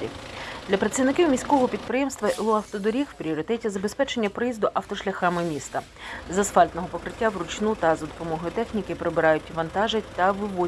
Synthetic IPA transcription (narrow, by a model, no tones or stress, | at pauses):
ɾʲḭd̪lʲɐpɾɐt̪sʲiʋnɪkiwmʲisʲkɔɦɔpʲid̪̚pɾɪjɛmst̪ʋɐʔɪlˠɔɐwt̪ɔd̪ɔɾʲixwpɾʲiɔɾʲit̪ɛtʲizɐbespɛt͡ʃe̞nʲːɐpɾɔjizd̪ʊʔɐwt̪ɔʃlʲɐxɑmɪmʲist̪ɐ | zɐsfɑlʲt̪nɔɦɔpɔkɾɪtʲːawrʊt͡ʃnut̪ɐzɐd̪ɔpɔmɔɦɔjʊt̪ɛxnʲikɪpɾebɪɾɑjʊtʲʋɐnt̪ɑʒɪtʲt̪ɐʋɪʋɔ